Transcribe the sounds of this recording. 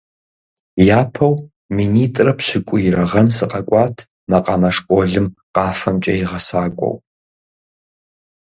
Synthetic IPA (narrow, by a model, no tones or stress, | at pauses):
jaːpʰɐw | miniːtʼrɐpɕɪkʷʼʊjɪɾɐʁɐnsɨqɐkʷʼɑːtʰ | mɐqʼɑmɐʂkʷʼɔɮɨmqɑːfɐmt͡ʃʼɐ̰jɪʁɐsaːkʷʼɔ̰w